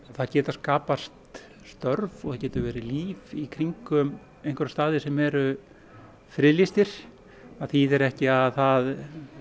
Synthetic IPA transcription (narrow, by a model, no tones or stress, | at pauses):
θaðcɛːt̪askaːpast̪ | st̪œɾvɔθaðcɛːt̪ʏɾvɛːɾɪliːvikʰɾiŋkʏm | ejŋ̥kʰʏɾast̪aːðɪsɛmɛɾʏ | fɾɪːlist̪ɪɾ̥ | aðθiðɛɾɛhcɪaðθað